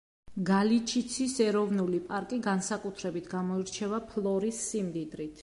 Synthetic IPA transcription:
ɡalit͡ʃʰit̪sʰisɛɾɔvnulipʼaɾkʼiɡansakʼut̪ʰɾɛbit̪ʰɡamɔiɾt͡ʃʰɛvapʰlˠɔɾisːimd̪id̪ɾit̪ʰ

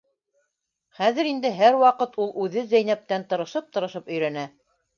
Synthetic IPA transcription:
χæðɘ̆ɾind̪ɘɦæɾwɑqɤt̪ulˠʔʉðɘzæjnæp̚t̪ænt̪ɤ̆ɾɤ̆ʃɤp̚t̪ɤ̆ɾɤ̆ʃɤpɵ̆jɾænæ

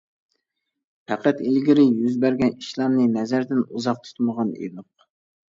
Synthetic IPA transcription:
pʰæqʰæt̪ilɡʲiɾɪjyzbæɾɡʲɛniʃlˠɑmnɨnɛzæɾd̪ɪnuzɑq̚t̪ʰy̥t̪məʁɑnḛnʊq

